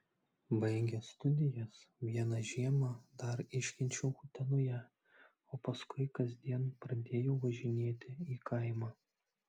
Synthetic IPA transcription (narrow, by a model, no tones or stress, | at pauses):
bɐɪɡʲɛst̪ʊd̪ʲɪjɛsʋʲiɛnɑʒʲiɛmɑd̪ɐɾɪʃʲkʲɪnʲt͡ʃʲɛʊxʊt̪ʲɛnʊjɛ | oːpɐskʊɪkɐzʲd̪ʲiɛnpɾɐd̪ʲeːjoːʋɐʒʲɪnʲeːt̪ʲɪiːkɐɪmɑː